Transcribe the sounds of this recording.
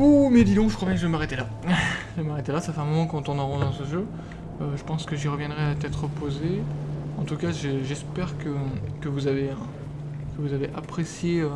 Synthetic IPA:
umɛd̪id̪ɔ̃ʒəkχwabjɛ̃k̬ʒəmaʁɛt̪ela | ʒəmaʁet̪elasafɛɛ̃mɔmɑ̃kɑ̃t̪ɔ̃nɔʁɑ̃d̪ɑ̃səʒø | øʒəpɑ̃skəʒiʁəvjɛ̃d̪ʁɛat̪ɛt̪χəpozeɑ̃t̪ukaʒəʒɛspɛʁkəkəvuzaveə | kəvuzaveʔapχesjeø

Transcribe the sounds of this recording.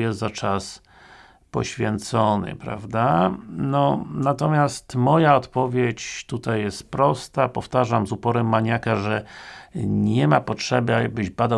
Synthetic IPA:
jɛst̪zat͡ʂas | pɔɕfʲjɛnt̪sɔnɘ̰pɾa̰vd̪anɔnat̪ɔmʲjast̪mɔjaɔt̪pɔvʲjet͡ɕt̪ut̪ajːɛst̪pɾɔst̪apɔft̪aʐamzupɔɾɛmːaɲakaʐɛ | ɲɛmapɔtʂɛbɘabɘʑbad̪a

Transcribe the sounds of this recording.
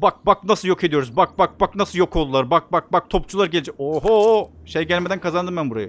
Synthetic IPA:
bak̚bak̚nasɯljo̞kʰe̞d̪ijo̞ɾuzbak̚bak̚baknasɯjokʰo̞lˠd̪ulˠaɾbak̚bak̚bak̚t̪ʰopt͡ʃʰulˠaɾɟelʲid͡ʒɛoɦoʃejɟælʲmed̪ænkʰazand̪ɯmbænbuɾa̰ja

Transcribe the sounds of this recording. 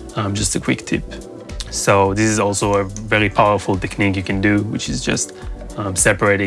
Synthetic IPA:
ʌ̃md͡ʒʌstɨkʰw̥ɪktʰɪ̰p | soʊðɪsɨzɔlˠsoʊəvɛɹipʰaʊə˞fl̩ˠtɛknikjɨkɨ̃ndɨwɨ̰t͡ʃɨzd͡ʒʌ̰st | ʌ̃msɛpə˞eɪɾɪ̃

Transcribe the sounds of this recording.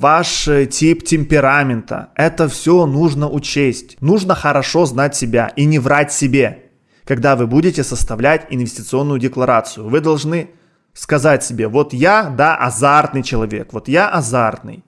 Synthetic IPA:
vaʂtʲiptʲɪmʲpʲɪɾamʲɪnt̪ə̰ɛt̪əfsʲonuʐnəʔʊt͡ɕesʲtʲnuʐnəxəɾɐʂo̞znatʲsʲɪbʲa̰ʔinʲɪvɾatʲsʲɪbʲe̞ | kɐɡd̪avɨbudʲɪtʲɪsəst̪ɐvlʲætʲɪnvʲɪsʲtʲɪt̪sɨo̞nːʊjʊdʲɪklˠɐɾat̪sɨjʊvɨd̪ɐlˠʐnɨ | skɐzatʲsʲɪbʲe̞vo̞t̪jad̪aʔɐ̰zart̪nɨjt͡ɕɪlˠɐvʲe̞̰kvo̞t̪jaʔɐzart̪nɨ̰j

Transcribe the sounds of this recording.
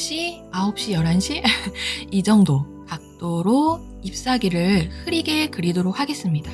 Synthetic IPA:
ɕ͈iaop̚ɕ͈ijʌɾɦanɕʰi | id͡ʑʌŋdo | kak̚t͈oɾo | ip̚s͈aɡiɾɯɭhɯɾiɡe̞kɯɾidoɾok̚hʰaɡe̞s͈ɯmɲida

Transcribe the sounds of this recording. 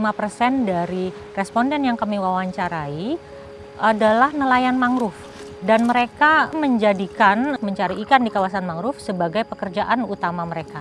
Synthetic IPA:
imapərsɛndaɾi | rɛspɔndɛnjaŋkamiwawaɲt͡ʃaɾai | ʔadalahnəlajanmaŋɾʊf | danməɾekaməɲd͡ʒadikanməɲt͡ʃaɾiːkandikawasanmaŋɾʊfsəbaɡajpəkərd͡ʒaʔanut̪amaməɾeka

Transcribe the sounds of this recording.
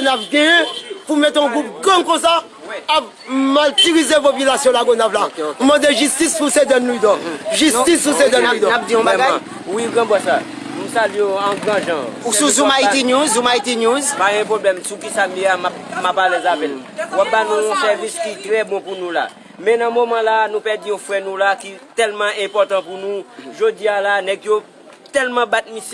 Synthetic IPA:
onavɡɛɛ̃pumɛt̪ɔ̃ɡup̚ɡãkɔ̃saː | p | malt̪iʁizevopilasjɔ̃laɡonavlapumɑ̃d̪eʒyst̪ispused̪ɛnlud̪ɔ̃ʒyst̪ispused̪ɛnud̪ɔ̃pd̪iɔ̃ba | wiɡʁãbasa | nũsaliãɡʁãʒãususumait̪injuzumait̪injuzpaɡɛ̃poblɛmsukisameamap̚mapalɛzapɛlwap̚banũːsɛʁviskit̪ʁɛbɔ̃punũla̰ | mɛ̃nãmomãlanũpɛdiɔ̃fwɛnũlakit̪ɛlmãʔɛ̃pɔt̪ãpunũʒod͡zialanɛkjo | t̪ɛlmãbat̪̚misj

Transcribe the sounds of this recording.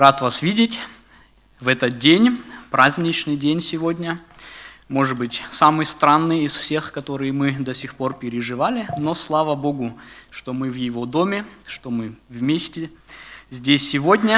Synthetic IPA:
rat̪vasvʲidʲɪtʲ | vɛt̪ət̪̚dʲenʲpɾazʲnʲɪt͡ɕnɨjdʲenʲsʲɪvodʲnʲə | mo̞ʐɨt̪bɨtʲsamɨjst̪ɾanːɨjɪsfsʲe̞xkɐt̪o̞ɾɨjɪmɨd̪ɐsʲixpo̞rpʲɪɾʲɪʐɨvalʲɪno̞slˠavəbo̞ɡʊʂt̪o̞mɨvjɪvo̞d̪o̞mʲɪʂt̪omɨvmʲesʲtʲɪzʲdʲesʲːɪvo̞dʲnʲə

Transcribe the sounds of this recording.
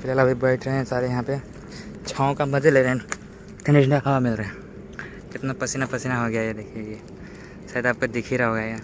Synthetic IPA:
fɪɾɦaːlɐbʱibɐːʈʰɾɐɦẽsaːɾejɐɦãpe | t͡ʃʰaːõkamɐd͡ʒeleːɾɦɛ̃ | k̪ɐ̃nɖɪʃ̬ɳɖaɦɐʋamɪlɾɐɦɛ̃ | kɪt̪napɐsinapɐsinaɦoɡɐjaɛd̪eːkʰieɡe | ʃaːjd̪aːp̚kod̪ɪkʰiɾaɦoːɡjaja

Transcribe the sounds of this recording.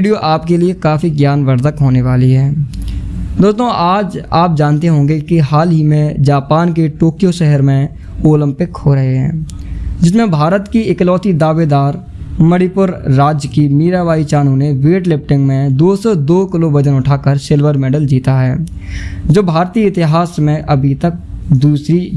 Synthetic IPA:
ɖijoʔaːpkeliekaːfiɡjaːnʋəɾd̪əkɦoːneʋaːliɦɛː | d̪oːst̪õʔaːd͡ʒaːp̚d͡ʒaːnt̪eɦõːɡekiɦaːlɦimẽd͡ʒaːpaːnkeʈoːkijoʃɛɦəɾmẽ | oːlə̃mpɪkhoɾɐɦeɦɛ̰̃ːd͡ʒɪs̬mẽbʱaːɾət̪kiɪklɔːt̪id̪aːʋeːd̪aːɾ | məɽipʊɾɾaːd͡ʒjkimiːɾaʋaːit͡ʃaːnũneʋeːʈlɪp̚ʈɪ̃ŋɡmẽd̪oːsɔd̪oːkɪlobɐd͡ʒənʊʈʰaːkəɾsɪlʋəɾmɛːɖəld͡ʒiːt̪aɦɛː | d͡ʒoːbʱaːɾt̪iːəɪt̪ɪɦaːsmẽʔɐbʱit̪ək̚d̪uːsɾi

